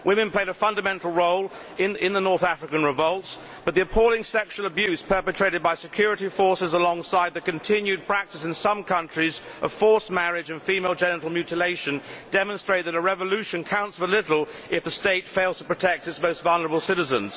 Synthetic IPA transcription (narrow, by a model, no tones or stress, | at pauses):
wʔɪ̃mɨ̃npl̥eɪɾəfʌ̃ndɨmɛ̃ntˡl̩ˠɹoʊlˠ | ɪ̃nɪ̃nðənɔɹθæfɹɨkɨ̃nɹɨvʌlˠts | b̥ʌt̪̚ðiɨpʰɔʊlˠɪ̃ŋsɛkʃuəl̩ˠəbjʉz̥pʰɜ˞pɨtʰɹ̥eɪɾɨd̚baɪsɨkʰj̥ʊɹɨɾifɔɹsɨzəlɔ̃ŋsaɪd̪̚ðɨkɨ̃ntʰɪ̃njʉd̚pʰɹ̥æk̚tɨsɨ̃nsʌ̃mkʰʌ̃nt͡ʃɹ̥izʔʌv̥fɔɹsmæɹɪd͡ʒɨ̃nfimeɪlˠd͡ʒɛnəɹl̩ˠmjʉɾɨleɪʃɨ̃ndɛmə̃nstɹ̥eɪt̪̚ðɨɾəɹɛvəlʉʃɨ̃nkʰãʊ̃ntsəlɪɾl̩ˠ | ɨfðɨsteɪtfeɪlˠz̥tʰə̥pɹ̥ɨtʰɛk̚tɨtsmoʊstvʌlˠnə˞əbl̩ˠsɪɾɨzə̰̃nz̥